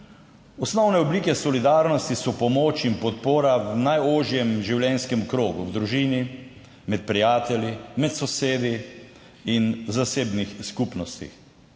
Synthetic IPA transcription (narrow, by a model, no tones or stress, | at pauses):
ɔsnɔwnɛɔbliːkɛsɔlid̪aːɾnɔst̪isɔpɔmoːt͡ʃimpɔt̪poːɾawnajoːʒjɛmʒiwljɛnskɛmkɾoːɡṵwd̪ɾuʒiːni | mɛt̪̚pɾijaːt̪ɛljimɛt̪sɔseːd̪i | inzaseːbnixskupnɔst̪ḭx